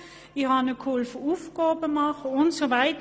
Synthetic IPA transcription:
ɪhɑnəkʰʊlfufkɔːbəmɑχʊntsovæɪtə

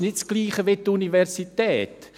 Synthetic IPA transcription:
nɪtsɡ̥liːχəʋet̪univɛɾsit̪ɛːt̪

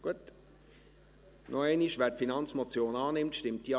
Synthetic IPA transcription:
ɡ̥uət | nʔoɛɪniʃvɛːtfinɑnt͡smot͡sjoːnɑːnɪmtʃtɪmt̚d̥i

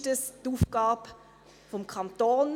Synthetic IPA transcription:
təstuːfɡ̥aːb | fɔmkʰantoːn

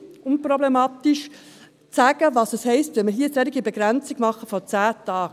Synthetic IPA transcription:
ʊnpɾɔblemɑːtiʃ | t͡sæːɡ̥əvɑːsəshɛɪstʋɛməɦiːəsɛɾɪɡibeɡ̥ɾɛnt͡siɡ̥mɑχəfɔt͡sæːtɑːk

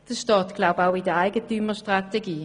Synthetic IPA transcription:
d̥əʃtɑːtɡ̥laʊbawidəaɪɡətyːməʃtʁateɡiː

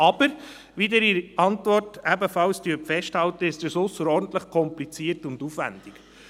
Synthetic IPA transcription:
ɑb̥əɾ | ʋid̪ɛɾiɾɑntvɔrtæbəfɑlst̪yːpfɛʃthɑlt̪əɪstəsʊsːəɾɔɾdn̩t̪ləχkʰɔmplit͡siːəɾtʊnd̪ufʋæ̰nd̥ɪk

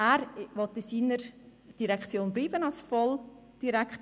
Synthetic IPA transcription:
æːɾʋɔt̪ɪsiːnəɾd̥iɾɛkχt͡sjoːnbliːbənɑlsfɔl | d̥iɾɛkt

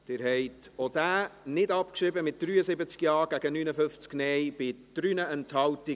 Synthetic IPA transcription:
d̥ɪːɾɦɛɪtod̥æːnɪdɑpkʃɾɪbəmɪt̚d̪̥ɾyːəsɪbət͡skjɑːɾɡ̥æɡ̥ənyːnəfʏft͡sknɛjb̥ɪd̪̥ɾynəɛnthɑlti

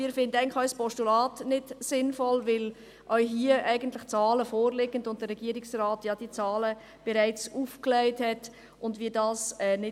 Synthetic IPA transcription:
ɪːɾfɪndəæɪɡnlɪxœʏspɔʃtulɑːtnɪdsɪnfɔlvɪl | ʔœʏɦiːəʔæɪɡən̩tlɪxt͡sɑːləfoːɾlɪɡəndʊnt̚d̥əɾɛɡ̥iəɾɪksraːtjɑd̥it͡sɑːlə | b̥ɛɾaɪt͡suːfklɛɪthɛt | ʔʊndviːdɑːsɛːnɪ

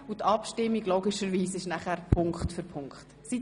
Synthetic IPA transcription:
utʰɑpʃtɪmːiɡloːɡɪʃəɾʋiːsɪʃnæχæɾpʰʊŋkχtfʏɾpʰʊŋkχtsi

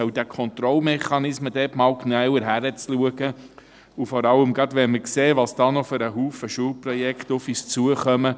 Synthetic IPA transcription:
œwd̥̪ækʰɔnt̪ɾɔlmɛχɑnɪsməd̥̪ɛtmɑːwknœwəɾɦæɾət͡sluəɡ̥ə | ufɔɾɑləmɡɾɑdʋɛnməkseːʋɑsd̥ɑːnɔfʏɾəɦuːfəʃuəlprɔjɛktʊfist͡suəχœmə

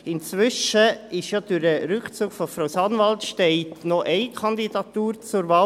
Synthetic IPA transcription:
ɪnt͡sʋʏʃəɪʃjɑd̪̥yɾdəɾʏkt͡suːɡ̥fɔfɾaʊsɑnvɑltʃtɛɪt̪nɔʔɛɪkʰɑnd̪id̥ɑtuːɾt͡sʊɾvɑː

